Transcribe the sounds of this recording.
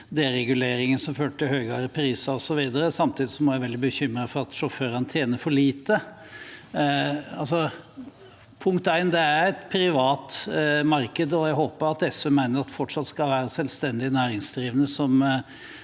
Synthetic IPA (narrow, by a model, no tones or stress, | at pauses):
d̪eːɾɛɡʉleːɾɪŋənsɔmføːʈʈɪlhøːɡɑɾəpʰɾiːsɑɔsɔʋiːd̪əɾəsɑmt̪ʰiːd̪ɪsɔmɔɾjæɪʋɛld̪ɪbəçʏmːɾɑfɔɾɑt̪ʂɔføːɾɑnt̪ʰjeːnəfɔɭiːt̪ə | ɑls̬ɔ | pʰʊŋkt̪æɪnd̪ɛææɾɛt̪pʰɾɪʋɑːt̪mɑɾkəd̪ɔjæɪɦoːpəɾɑt̪ɛsɛmæɪnəɾɑt̪fɔʈʂɑt̪skɑlʋæːɾəsɛlst̪ɛnd̪ɪnæːɾɪŋsd̪ɾiːʋənəsɔm